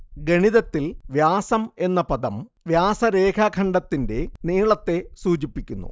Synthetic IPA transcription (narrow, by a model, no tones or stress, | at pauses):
ɡeɳiðɐt̪ːilʋjaːsɐme̞nːɐpɐðɐm | ʋjaːsɐɾe̞ːkʰɐkʰɐɳɖɐt̪ːinde̞niːɭɐt̪ːe̞suːt͡ɕipːikʲːunːṵ